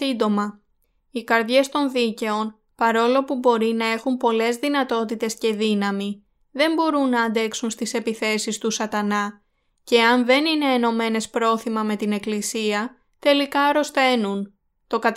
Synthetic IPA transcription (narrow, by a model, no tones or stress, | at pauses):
ind̪o̞mɐ | ikɐɾðʝe̞st̪o̞nðice̞o̞n | pɐɾo̞lo̞pubo̞ɾinɐe̞xumpo̞le̞zðinɐt̪o̞t̪it̪e̞sce̞ðinɐmi | ðe̞mbo̞ɾunːɐːnd̪e̞ksunst̪ise̞piθe̞sist̪usɐt̪ɐnɐ | ce̞ɐnðe̞nine̞ːno̞me̞ne̞spɾo̞θimɐme̞t̪ine̞klisiɐ | t̪e̞likɐɾo̞st̪e̞nun | t̪o̞kɐt̪